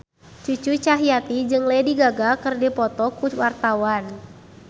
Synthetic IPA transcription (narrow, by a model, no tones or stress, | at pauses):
t͡ʃut͡ʃut͡ʃaɦijat̪id͡ʒɨŋlɛdiɡaɡakɨrdipɔt̪ɔkuwart̪awan